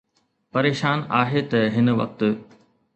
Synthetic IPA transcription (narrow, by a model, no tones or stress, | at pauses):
pɐɾeːʃaːnaːɦet̪ɐɦɪnʋɐ̰k̚t̪